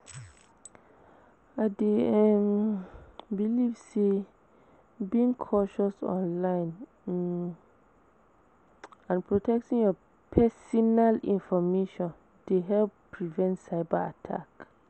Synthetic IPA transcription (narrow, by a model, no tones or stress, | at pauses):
ade | bilivse | bĩŋkʰɔʃɔsɔ̰̃nlãɪ̃n | ãnpʰɹotʰɛk̚tʰĩnjɔ | pʰɛsɔnalĩnfɔmeʃɔ̃n | d̥eɦɛlpʰːɹivɛ̃ntsaɪbaa̰tʰa̰k